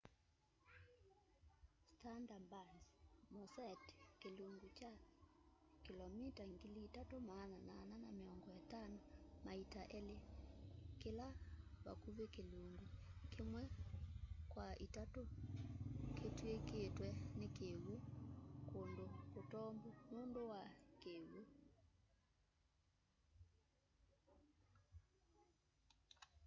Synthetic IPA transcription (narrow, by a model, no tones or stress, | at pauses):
standambasmosɛtkeluŋɡut͡ʃa | kilɔmitaŋɡiliːtatomaːnanaːnanameɔŋɡɔɛtanomaitaʔɛle | kelaβa̰kuβekeluŋɡukemwɛ | kwaʔitato | ketweketwɛnekeɣokondokotɔmbumondowakeɣo